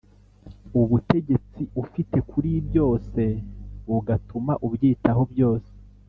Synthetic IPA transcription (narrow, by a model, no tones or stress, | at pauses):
uβute̞ɟe̞t͡siʔufite̞kʰuɾibjo̞ːse̞βuɡatumaʔubɟiːtaɦo̞bjo̞ːse̥